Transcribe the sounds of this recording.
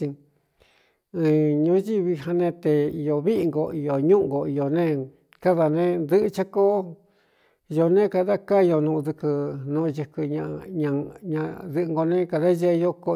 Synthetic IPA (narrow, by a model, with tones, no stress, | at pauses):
ĩ˧ | ɨ̃˧˨ɲũ˧˦ʒi˦˧βi˧ɦa˧nẽ˧t̪e˧i˧jo˨βi˦ʔi˧ŋɡo˧˨i˧jo˨ɲũ˦ʔɡo˨i˧jo˨nẽ˦ | ka˦ða˧nẽ˦nd̪ɨ˦ʔɨ˧t͡ʃa˦ko˦ | jo˧nẽ˦ka˧ða˦ka˦˧jo˧nũ˧ðɨ˧kɨ˧nũ˧jɨ˧kɨ˧ɲã˧ɲã˧ɲã˧ðɨ˧ʔɨ˧ŋɡo˧nẽ˦ka˧ða˦ʒe˦˧jo˧ko˧